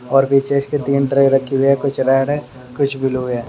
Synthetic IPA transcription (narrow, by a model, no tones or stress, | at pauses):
ɔːɾbiːt͡ʃesket̪iːnʈɾeːjɾɐkʰːiuɛkʊt͡ʃʰɾɛːɽɦɛ | kʊt͡ʃʰbʱiluɦɛː